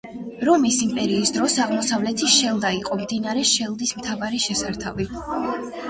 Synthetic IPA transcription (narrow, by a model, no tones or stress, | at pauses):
ɾɔmisimpʼɛɾiːsd̪ɾɔsaʁmɔsavlɛt̪ʰiʃɛlˠd̪aiqʼɔmd̪inaɾɛʃɛlˠd̪ismt̪ʰavaɾiʃɛsaɾt̪ʰavi